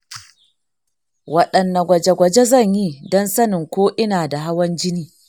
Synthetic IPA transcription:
wɐ˦ɗɐ˨nːa˨ɡʷɐ˨d͡ʒe˦ɡʷɐ˨d͡ʒe˦zɐ˦˨ɲji˦dɔ˦nsɐ˦nɪ˨ŋkʷoː˦ʔɪ˦naː˨da˨ɦa˦wɐ˦nd͡ʒɪ˦niː˦

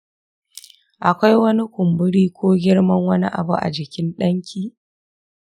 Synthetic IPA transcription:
ʔa˨kʷa˦jwɐ˦ni˦kʷʊ˨mbʊ˦ɽiː˦kʷoː˦ɡʲɪ˦ɽmɐ˦ŋwɐ˦ni˦ʔa̰˨bu˦ʔa̰˨d͡ʒɪ˨kʲɪ˦nɗɐ˦ŋkʲʰiː˦˨

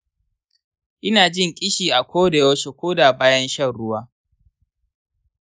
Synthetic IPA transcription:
ʔɪ˦naː˨d͡ʒɪ˦ŋkʲʼɪ˦ʃiː˨ʔa˨kʷoː˦da˨jo˦ʃe˨kʷoː˦da˨baː˦jɐ˦nʃɐ˦˨nɽʊ˦waː˦

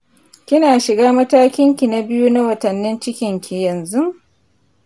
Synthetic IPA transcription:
kʲɪ˦naː˨ʃɪ˨ɡaː˦mɐ˦taː˦kʲɪ˦ŋkʲi˨na˦bɪ˦ju˦na˦wɐ˨tɐ˨nːɪ˦nt͡ʃɪ˦kʲɪ˨ŋkʲʰi˨jɐ˨nzu˦

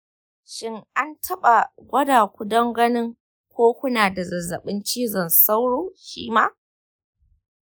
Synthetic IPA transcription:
ʃɪ˦ŋa˦ntʰɐ˦ɓa˨ɡʷɐ˦daː˨kʷu˦dɐ˦ŋɡɐ˦nɪ˦ŋ | kʷoː˦kʷʊ˦naː˨da˨zɐ˨zːɐ̰˨ɓɪ˦nt͡ʃiː˦zɐ˨nsa˦wɽoː˦ʃḭː˦maː˦

